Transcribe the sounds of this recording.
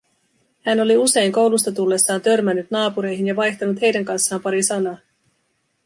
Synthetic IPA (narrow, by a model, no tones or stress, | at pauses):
hæno̞liuse̞jŋko̞wlust̪ɑt̪ulːe̞sːɑːnt̪ø̞rmænːyt̪nɑːpuɾe̞jɦinjɑʋɑjçt̪ɑnut̪he̞jdæŋkɑnsːɑːmpɑɾisɑnɑː